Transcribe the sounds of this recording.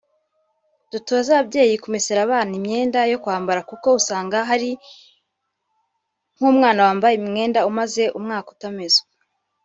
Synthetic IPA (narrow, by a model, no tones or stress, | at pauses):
d̥utoːzaβabɟe̞ːjikumiseɾaβaːnimɲe̞ːndajo̞kwaːmbaɾakuko̞usaːŋɡaɦaɾi | ŋ̥huːmŋaːnawaːmbajemŋe̞ːndaumaze̞ʔumŋaːku̥tamez